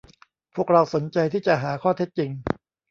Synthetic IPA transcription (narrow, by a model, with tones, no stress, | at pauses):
pʰu˥˩ək̚ɾa˧wso˩˦nt͡ɕa˧jt̪ʰiː˥˩t͡ɕa˨˩ɦaː˩˦kʰɔː˥˩t̪ʰe˦˥t̪̚t͡ɕi˧ŋ